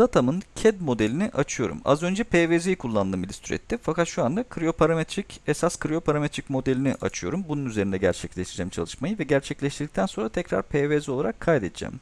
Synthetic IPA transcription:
d̪at̪ʰamɯncʰɛd̪mo̞d̪elʲiniʔat͡ʃʰɯjo̞ɾṵma̰zø̞nd͡ʒɛpʰeːveːzijkʰulˠːand̪ɯːmilʲist̪ʰyɾɛ̰t̪ʰːimfakat̪ʃuand̪akʰɾio̞pʰaɾamet̪ʰɾicɛsaskʰɾio̞pʰaɾamet̪ɾicmo̞d̪elʲinḭʔa̰t͡ʃʰɯjo̞̰ɾumbununyze̞ɾind̪ɛɟæ̰ɾt͡ʃʰɛclʲɛʃt̪id͡ʒɛːmt͡ʃʰa̰lˠɯʃmajɯvɛɟæɾt͡ʃʰɛclʲɛʃt̪ʰiɾd̪ic̚t̪ʰænso̞nɾat̪ʰɛcɾa̰ɾpʰeːvezo̞lˠaɾakʰːajd̪ed̪id͡ʒɛ̰ːm

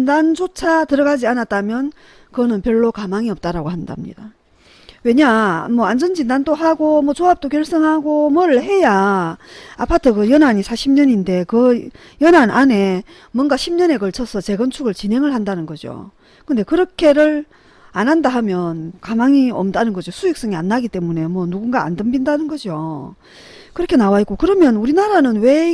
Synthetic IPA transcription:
indand͡ʑot͡ɕʰatɯɾʌɡad͡ʑianat̚t͈amjʌn | kɯnɯnpjʌɭːokamaŋiʌp̚t͈aɾaɡohanda̰mɲḭd̥a | we̞ɲamʌand͡ʑʌnd͡ʑindandoɦaɡomʌt͡ɕoap̚t͈ok̬jʌɭs͈ʌŋɦhaɡomwʌɾɯɭhe̞ja | apʰatʰɯɡɯjʌnaɲisʰaɕʰimɲʌɲinde̞kɯ | jʌnanʔane̞ | mwʌnɡaɕʰimɲʌne̞kʌɭt͡ɕʰʌsʰʌt͡ɕe̞ɡʌnt͡ɕʰuɡɯɭt͡ɕinɦe̞ŋɯɭhandanɯnɡʌd͡ʑjo̰ | kɯnde̞kɯɾʌkʰe̞ɾɯɭ | anɦandaɦamjʌnkamaŋiʌmdanɯnɡʌd͡ʑjosʰujik̚s͈ʌŋianːaɡit͈e̞mune̞mwʌnuɡunɡaa̰ndɯmbindanɯnɡʌd͡ʑjo | kɯɾʌkʰe̞nawaitk͈okɯɾʌmjʌnuɾinaɾanɯnwe̞

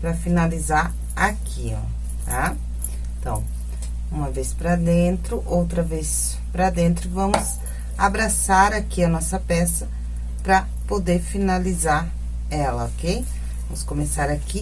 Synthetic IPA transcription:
pɾɐfinalizaɾ | akʰi | a | et̪ɐ̃w̃ | ũmɐvespɾɐd̪ẽt̪ɾʊʔowt̪ɾɐves | pɾɐd̪ẽnt̪ɾʊvɐ̃mʊz | abɾasaɾakiɐnɔsɐpɛsɐ | pɾɐ | pod̪eɾfinalizaɾ | ɛlɐokej | vɐ̃mʊskõmesaɾaki

